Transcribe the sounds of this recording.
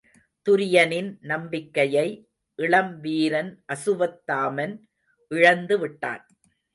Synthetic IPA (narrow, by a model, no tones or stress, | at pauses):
t̪ʊɾɪjɐnɪnnɐmbɪkːɐjɐɪ | ʔɪɭɐmʋiːɾɐnʔɐsɯʋɐt̪ːaːmɐn | ʔɪɻɐnd̪ɯʋɪʈːa̰ːn